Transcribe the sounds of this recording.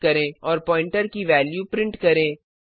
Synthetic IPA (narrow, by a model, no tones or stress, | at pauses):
kɐɾẽɔːɾpɔ̃ːɪ̃ɳʈəɾkiʋɛːljupɾɪ̃ɳʈkɐɾẽː